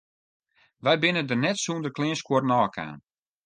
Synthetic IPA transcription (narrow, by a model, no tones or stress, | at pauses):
ʋɛjbɪnədərnɛtsuːndəklɪənskwornɔːkʰa̰ːn